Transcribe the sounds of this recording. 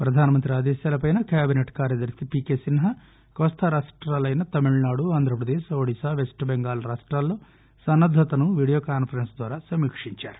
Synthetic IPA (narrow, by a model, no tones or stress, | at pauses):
pɾɐd̪ʱaːnɐmɐnt̪ɾiaːd̪ɛːʃjaːlɐpɐjnɐkaːbineʈkaːɾjɐd̪ɐɾsipiːkeːsinɦɐ | kɔːst̪ʰɐɾaːʂʈɾaːlɐjnɐt̪ɐmiɭnaːɽuaːnd̪ʱɾɐpɾɐd̪eːʃoːɽisaːʋesʈbeŋɡaːlɐɾaːʂʈɾaːlːo̞ː | sɐnːɐd̪ʱɐt̪ɐnuʋiːɽijoːkaːnpʰɐɾensd̪ʋaːɾaːsɐmikʂiɲt͡ʃa̰ːɾu̥